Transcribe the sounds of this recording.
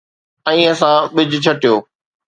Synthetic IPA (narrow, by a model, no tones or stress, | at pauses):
ɛ̃ːɐsãɓɪd͡ʑʱt͡ɕʰɐʈijoː